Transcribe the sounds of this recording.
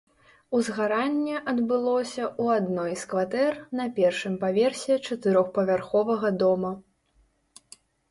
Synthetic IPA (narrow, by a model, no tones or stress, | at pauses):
uzɣaɾanʲːɛʔɐd̪bɨlˠɔsʲɐʔuad̪nɔjskvat̪ɛrnɐpʲɛrʂɨmpavʲɛrsʲɛt͡ʂɐt̪ɨɾɔxpɐvʲarxɔvɐɣɐd̪ɔmɐ